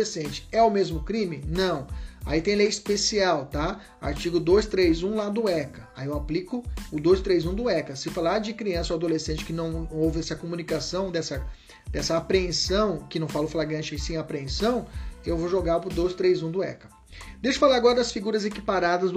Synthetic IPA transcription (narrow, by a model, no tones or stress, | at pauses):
esẽnt͡ʃɪ̥ɛʊmezmʊkɾĩmɪnɐ̃w̃a̰it̪ẽj̃lejispesiawt̪a | a̰ɾt͡ʃiɡʊd̪ojst̪ɾejzũlad̪ʊɛkɐaiewaplikʊʊd̪ojst̪ɾejzũd̪ʊɛkɐsɪfalaɾd͡ʒɪkɾiɐ̃sowad̪olesẽnt͡ʃɪ̥kɪnɐ̃w̃owvɪɛsɐkomũnikasɐ̃w̃d̪ɛsɐ | d̪ɛsɐapɾẽsɐ̃w̃kɪnɐ̃w̃falʊflaɡɾɐ̃nt͡ʃɪẽsẽj̃apɾẽsɐ̃w̃ewvowʒoɡapʊd̪ojst̪ɾejzũd̪ʊɛ̰kɐ̥ | d̪ejʃʊ̥falaɾaɡɔɾɐd̪ɐsfiɡuɾɐzekipaɾad̪ɐzd̪